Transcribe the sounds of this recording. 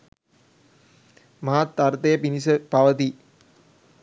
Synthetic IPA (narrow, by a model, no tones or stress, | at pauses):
mɐɦat̪ːɐɾt̪ɐjəpinisəpɐʋət̪i